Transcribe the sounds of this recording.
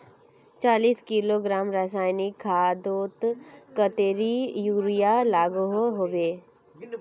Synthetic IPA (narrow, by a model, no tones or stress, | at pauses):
t͡ʃaːliːskiloɡɾaːmɾas̬aːjnikʰːaːd̪oːt̪kət̪eːɾijuːɾijalaːɡuɦɦoʋeː